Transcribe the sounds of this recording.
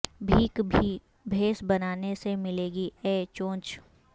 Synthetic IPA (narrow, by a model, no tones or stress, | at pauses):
bʱiːki | bʱeːsbɐnaːnesemɪleːɡiɛːt͡ʃõːt͡ʃ